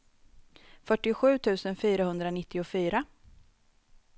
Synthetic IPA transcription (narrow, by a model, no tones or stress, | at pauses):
fœʈːɪʊɧʉ̟ːt̪ʰʉ̟ːsənfyːɾahɵnd̪ɾanɪt̪ːɪʊfyːɾa